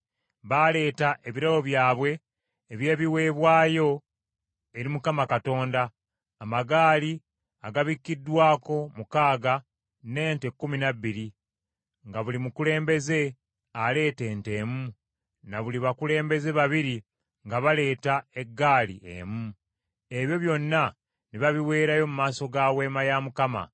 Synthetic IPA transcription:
βale̞ːtaʔeβiɾawo̞βjaːβwe̞ː | βje̞ːβiwe̞ːβwaːjo̞ | e̞ɾimukamakato̞ːndaː | maɡaːli | aɡaβikːidːwaːko̞mukaːɡa | ne̞ːnte̞kːuminaβːiɾi | ŋɡaβulimukule̞ːmbe̞ze̞ | ale̞ːte̞ːnte̞ːmu | naβuliβakule̞ːmbe̞ze̞βaβiɾi | ŋɡaβale̞ːtae̞ɡːaːlḭʔḛmu | e̞βjo̞βjo̞nːa | niβaβiwe̞ːɾajo̞mumaːso̞ɡawe̞ːmajamukama̰

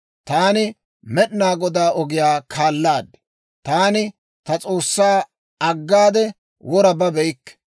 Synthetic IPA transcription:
t̪aːnɪ | mɛɗnaːɡɔd̪aːʔɔɡɪjaːkʰaːlːaːd̪ɛ̥ | t̪aːnɪ | t̪ɐt͡sʼoːsːaː | ɐɡːaːd̪ɛ | wʔɔɾɐbɐbɛjɪkːɛ̥

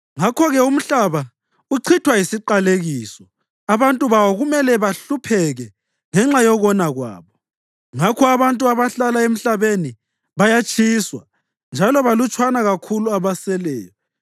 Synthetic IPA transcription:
ŋakʰɔɣɛum̩ɬaβa | uǀʰitʰwajisiǃaleɣiːsɔ | aβantʼuβawɔɣumɛlɛβaɬupʰɛɣɛ | ŋɛŋ͡ǁajɔɣɔnaɣwa̰ːβɔ | ŋakʰɔaβantʼuaβaɬalaem̩ɬaβeni | βajat͡ʃʰʼiswa | nd͡ʒʱalɔβalut͡ʃʰʼwanaɣakʰuluaβasɛlɛ̰ːjɔ

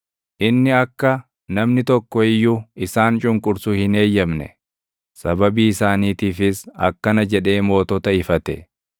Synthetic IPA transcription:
ʔɪnːɪɐkːɐ | nɐmnɪt̪ɔkːɔɪjːuɪsaːnt͡ʃʼʊŋkʼʊɾsuhɪne̞ːjːɐmnɛ̰ | sɐbɐbiːɪsaːniːt̪iːfɪsɐ̰kːɐnɐd͡ʒɛᶑe̞ːmo̞ːt̪ɔt̪ɐɪfɐt̪ɛ

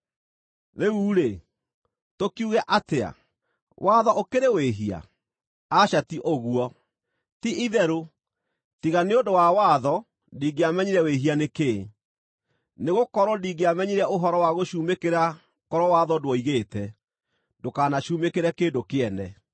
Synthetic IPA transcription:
ðeuːɾe | tokiuɣɛʔatea̰ | wʔaðɔʔokeɾeweɦia̰ | aɕatiʔoɣuɔ | tiʔiðɛɾo | tiɣaneodowawaðɔ | ndiɡeamɛɲiɾɛweɦianeke | neɣokɔɾɔdiɡeamɛɲiɾɛoɦɔɾɔwaɣoɕuːmekeɾa | kɔɾɔwaðɔdwɔiɣeːtɛ | dokanaɕuːmekeɾɛkeːndokeɛnɛ

